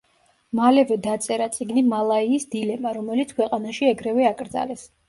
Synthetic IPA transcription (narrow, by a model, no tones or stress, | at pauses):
malɛvɛd̪at̪sʼɛɾat̪sʼiɡnimalˠaiːsd̪ilɛmaɾɔmɛlit̪sʰkʰwɛqʼanaʃiɛɡɾɛvɛakʼɾd̪za̰lɛs